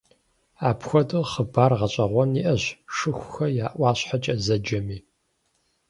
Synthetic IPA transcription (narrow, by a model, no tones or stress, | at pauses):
aːpʰxʷɔdɨχəbaːrʁɐɕʼɐʁʷɔniʔɐʑʂɨxʷxɐjaːʔʷɑːɕħat͡ʃʼɐzɐd͡ʒɐmiː